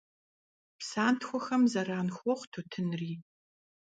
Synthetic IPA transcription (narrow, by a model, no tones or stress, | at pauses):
psaːntxʷɔxɐmzɐraːnxʷɔʁʷtʰotʰɨnriː